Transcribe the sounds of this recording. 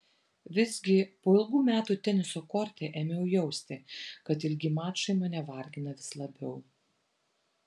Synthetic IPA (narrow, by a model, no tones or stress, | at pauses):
ʋʲɪzʲɡʲɪpoːɪlˠɡuːmʲæːt̪uːt̪ʲɛnʲɪsoːkɔːɾʲt̪ʲeʔɛːmʲejʊjɛʊsʲt̪ʲɪkɐt̪ɪlʲɡʲɪmɑːt͡ʃɐɪmɐnʲɛʋɐˑɾʲɡʲɪnɐʋʲɪslˠɐbʲɛʊ